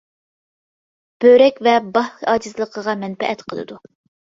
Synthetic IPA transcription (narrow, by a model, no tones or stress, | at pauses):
b̥øɾɛkʲvɛbɑhɑːd͡ʒɨzlˠəqʰəʁɑmɛnpɛ̰ʔɛt̪qʰəlˠɨ̰d̪u